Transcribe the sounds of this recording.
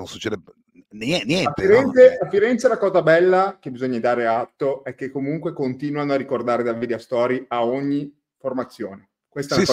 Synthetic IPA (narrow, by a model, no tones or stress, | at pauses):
nonsu̥t͡ʃːeːd̪e | nɛnjɛaft̪iɾɛnt̪seafːiɾɛnt̪selakɔːzabɛlːak̟ebizoɲːad̪aːɾeat̪ːoɛkːekːomuŋkwekont̪iːnwanoarːikord̪aːɾed̪avid̪eost̪ɔːɾiaoɲːi | format̪sːjoːne | kwest̪aaɔ